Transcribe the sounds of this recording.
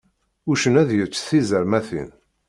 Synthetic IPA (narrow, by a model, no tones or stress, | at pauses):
uʃənæðjəɾt͡sːθizəɾmæθḭn